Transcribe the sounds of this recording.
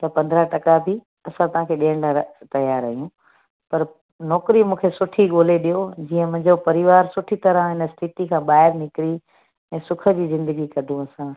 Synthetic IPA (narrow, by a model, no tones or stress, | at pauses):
t̪ɐpɐ̃nd̪ʱɾaʈɐkabʱi | ɐsãt̪ɐʋ̤ãkʰeːɗijəɽ̃lat̪ɐjaːɾɐɦijũ | pɐɾ | nɔːkɾimũːkʰesʊʈʰiɡoːleɗijod͡ʑiːə̃mʊ̃ɦɪ̃ɲd͡ʑopɐɾɪʋaːɾsʊʈʰit̪ɐɾə̃ɦɪnəsʈʰiʈikʰãːɓaːɦɪɾnɪkɪɾi | ɛ̃ːsʊkʰə̆d͡ʑiːzɪ̃nd̪əɡikɐd̪ʱũɐsã